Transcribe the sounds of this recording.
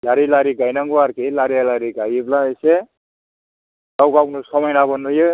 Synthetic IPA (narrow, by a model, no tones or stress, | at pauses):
laɾilaɾikajnʌŋɡoaɾkelaɾialaɾiɡajiblãese | tawkawknusʌmʌjnabʌnːuje